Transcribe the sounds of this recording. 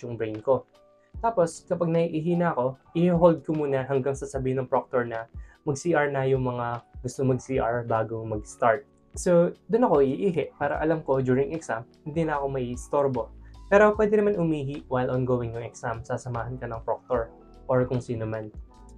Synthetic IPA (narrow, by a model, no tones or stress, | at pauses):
ʊŋbɹɛjnko̞ | t̪aːpo̞skɐpaɡ̚nɐiʔiːɦinɐɐko̞ʔɪhiɦold̪̚komuːnɐɦɐŋɡaŋsɐsɐbiːhɪnɐŋpɹok̚t̪oɹnɐmɐɡ̚siːʔaɹnɐjʊŋmɐŋaɡʊst̪omɐɡsiːʔaɹbaːɡo̞mɐɡ̚st̪aɹt̪̚ | sod̪ʊnɐko̞ʔɪʔiːɦɛʔpaːɾɐ̰ʔɐlamko̞d̪uːɾɪŋʔɛksamhɪnd̪inɐɐko̞mɐʔist̪o̞ɹbo̞pɛːɾo̞pwɛːd̪ɪnɐmanʔʊmiːɦiʔwajlʔonɡowɪŋjʊŋɛksamsaːsɐmaːɦɐnkɐnɐŋpɾok̚t̪oɹ | ʔoɹkʊŋsiːnoman